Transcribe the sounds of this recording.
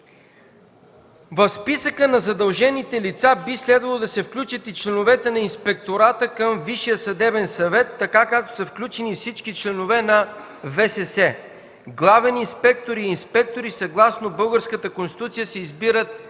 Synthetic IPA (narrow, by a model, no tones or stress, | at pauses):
vɐfspisəkənɐzɐd̪ɐlˠʒɛnit̪ɛlit̪sabislɛd̪vɐlˠod̪ɐsɛfklʲut͡ʃət̪it͡ʃlɛnovɛt̪ɛnɐinspɛk̚t̪oɾat̪əkəmviʃijəsɐd̪ɛbɛnsɐvɛt̪ːɐkakak̚t̪o̥sɐfklʲut͡ʃɛnifsit͡ʃkit͡ʃlɛnovɛnɐ | vɛsɛsɛ | ɡlˠavɛninspɛk̚t̪oɾiːnspɛk̚t̪oɾisɐɡlˠasnobɤlˠɡəɾskət̪əkonst̪i̥t̪ut̪sijəsɛizbiɾət̪̚